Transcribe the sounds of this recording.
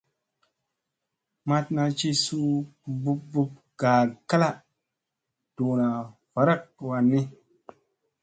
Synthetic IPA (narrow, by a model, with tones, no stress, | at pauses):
ma˦tna˧t͡ʃi˦su˦bu˦p̚bu˦p̚ | ɡ̥a˨ka˦la˦ | d̥u˨na˨ | v̥a˨ɾa˦k̚wa˨nːi˦